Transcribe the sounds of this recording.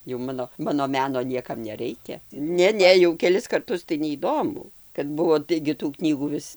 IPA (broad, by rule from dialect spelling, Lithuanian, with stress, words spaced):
jɛʊ ˈmɑːnoː ˈmɑːnoː ˈmʲæːnoː ˈnʲiɛkɐm nʲɛˈrʲɛɪkʲɛ ˈnʲɛ ˈnʲɛ jɛʊ kʲɛˈlʲɪs kɐrˈtʊs tɐɪ nʲɛiːˈdoːmʊ kɐt ˈbʊʋoː ˈtɐɪɡʲɪ tuː ˈknʲiːɡuː ˈʋʲɪs